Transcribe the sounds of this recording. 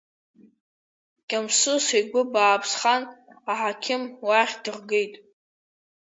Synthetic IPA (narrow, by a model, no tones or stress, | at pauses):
kʲʼamsʊsiɡʷʊbaːpʰsχanaħakʲʰɪmwaχʲdɨrɡejtʼ